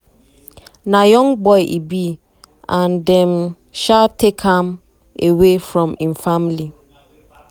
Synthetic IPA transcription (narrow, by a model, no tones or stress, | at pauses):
nãjɔ̃ŋɡbɔɪʔḭbi | ãndɛ̃m | ʃatʰːekʰãm | ewefɹɔ̃mĩnfamli